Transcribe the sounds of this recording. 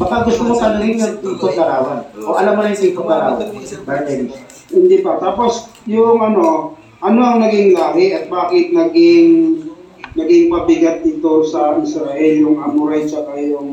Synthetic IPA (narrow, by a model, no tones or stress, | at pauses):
bɐkaɡʊst̪omot̪ɐlɐɪŋnɐŋt̪ɪŋt̪okɐɾaːwad̪ʔoʔɐlamɾɪnt̪ɪŋt̪okɐɾa̰ːwɐd̪pɐd̪ɛn | hɪnd̪ipɐt̪aːpo̞s | jʊŋʔɐno̞ | ʔɐno̞ʔɐŋnɐɡɪŋlaːkɪʔɐt̪̚baːkɪt̪̚nɐɡɪŋ | nɐɡɪŋpɐbɪɡat̪̚ːɪt̪o̞sɐʔɪsɾɐʔɛljʊŋʔɐmʊɾɛt͡ʃɐkɐjʊ